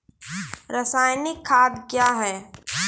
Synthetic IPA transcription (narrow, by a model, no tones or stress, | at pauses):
ɾəsaːjnɪkʰːaːd̪kjaːɦɛː